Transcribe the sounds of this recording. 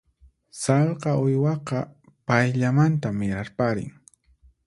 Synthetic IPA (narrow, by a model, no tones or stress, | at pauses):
sɑlqɑʊjwɑqɑ | pajʎamant̪amɪɾaɾpaɾɪ̰ŋ